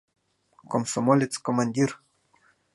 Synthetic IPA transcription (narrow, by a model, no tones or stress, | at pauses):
komsomolʲet̪skomanʲd̪ʲir